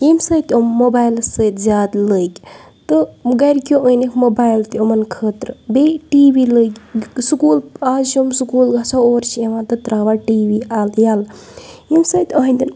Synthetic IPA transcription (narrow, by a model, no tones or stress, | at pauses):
jemsɐːjt̪omːobaːjlsəjt̪zʲaːd̪ləːkʲ | t̪ɨɡɐɾkʲoʔəjnekʰmobaːjlt̪iomɐnkʰəːt̪ɾbeʈiːʋiːləːkʲsukuːlaːzt͡ʃʰomsukuːlɡasaoːɾt͡ʃʰieʋãːt̪ɨt̪ɾaːʋaːʈiːʋiːaːljaːlemsɐːjt̪ʲaːɦnd̪in